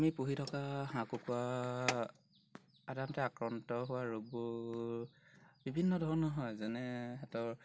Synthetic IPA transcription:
mipuɦitʰɔkaɦãkukua | adamtɛakɹɔntɔɦʊwaɹoɡbʊ | bibʱinːɔdʱɔɹɔnɔɦɔjzɛnɛɛtɔɹ

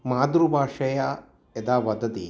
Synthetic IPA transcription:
maːd̪ɾubʱaːʂɐja | ed̪aːʋɐd̪ɐt̪ḭ

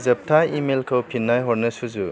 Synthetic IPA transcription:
zɐp̚tʰaimelkʰəwpʰinːajɦɔɾnɐsuzu

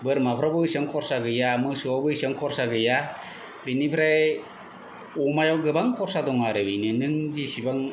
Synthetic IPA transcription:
bɯɾmapʰɾabɯsɯŋkʰɔɾsaɡɯjamɯsuabɯjsɯŋkʰɔɾsaɡɯja | binipʰɾa | ɔmajaɡɯbaŋkʰɔɾsadɔŋaɾɯbijnɯnɯŋzisibaŋ

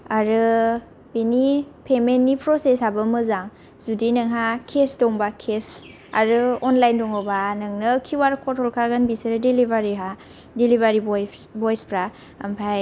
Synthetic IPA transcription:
aɾɯ | binipʰemenːipʰɾɔsesabɯmɯzaŋ | zudinɯŋɦakʰesdɔŋbakʰes | a̰ɾɯɔnlajndɔŋɔbanɯŋnɯkʰiwaɾkʰɔtʰɔlkʰaɡɯnbiseɾɯdelibaɾiɦa | delibaɾibbɔjspʰɾa | a̰mpʰaj

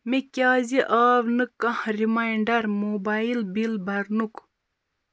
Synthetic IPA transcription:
mikʲaːziʔaːʋnɨkːɐhɾimajiɳɖɐɾmoːbailbilbɐɾnuk

